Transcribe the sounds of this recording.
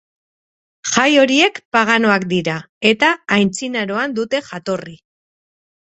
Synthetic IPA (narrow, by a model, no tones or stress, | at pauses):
ʝajo̞ɾie̞kpaɣ̞ano̞akd̪iɾa | e̞t̪aːjnt͡sinaɾo̞and̪ut̪e̞ʝat̪o̞ri